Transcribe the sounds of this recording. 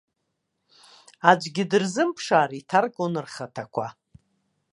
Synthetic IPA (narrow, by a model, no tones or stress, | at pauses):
ad͡ʒʷɡʲɪdɨrzɨmpʰʂaːɾitʰarkʼonɨrχatʰakʷʰa